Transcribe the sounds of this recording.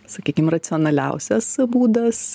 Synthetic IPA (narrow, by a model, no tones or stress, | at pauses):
sɐkʲiːkʲɪmrɐt͡ssʲɪɔːnɐlʲɛ̰ʊsʲɛsbuːd̪ɐs